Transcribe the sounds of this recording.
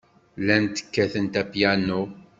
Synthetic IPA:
lænt̪ə̥kːæθənt̪æpjænu

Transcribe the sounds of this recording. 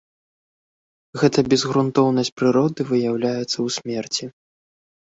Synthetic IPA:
ɣɛt̪ɐbʲɛzɣɾunt̪ɔwnɐsʲt͡sʲpɾɨɾɔd̪ɨvɨjawlʲajɛt̪sːɐwsʲmʲɛrt͡sʲi

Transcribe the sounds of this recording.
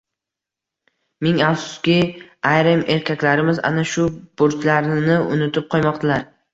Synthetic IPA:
mɪŋafsʊ̥skʲɪajɾɪme̞ɾkʲakʲlaɾɪmɪza̰naʃʊb̥ʊɾt͡ʃ̪laɾnɪʊ̰nɪt̪ʰɪp̚qʰɒjmɒqt̪ʰalaɾ

